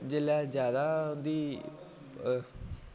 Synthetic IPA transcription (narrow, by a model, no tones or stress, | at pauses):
d͡ʒelaːd͡ʒjaːd̪aːd̪iː